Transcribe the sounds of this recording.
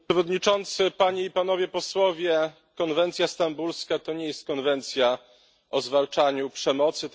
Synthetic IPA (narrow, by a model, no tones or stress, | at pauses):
ɛvɔd̪ɲit͡ʂɔnt̪sɘpaɲeipanɔvʲjɛpɔswɔvʲjɛ | kɔnvɛnt̪sʲjast̪ambulskat̪ɔɲɛjɛst̪̚kɔnvɛnt̪sʲja | ʔɔzvalt͡ʂaɲupʂɛmɔt̪sɘ